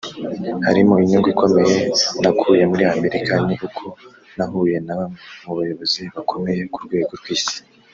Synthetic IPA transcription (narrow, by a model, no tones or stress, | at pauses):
ha̰ɾimoiɲoŋɡwikʰo̞me̞je̞nakʰuje̞muɾiame̞ɾikaniʔukʰo̞ | naɦuːje̞naamuβajo̞βo̞ziβakʰo̞me̞je̞kuɾɡwe̞ːɡo̞ɾɡwiːsi̥